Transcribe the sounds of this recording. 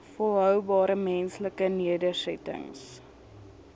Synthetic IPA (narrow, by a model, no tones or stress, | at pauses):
fəlˠɦœwbɑːɾəmɛnsləkəniədəsɛtə̰ŋs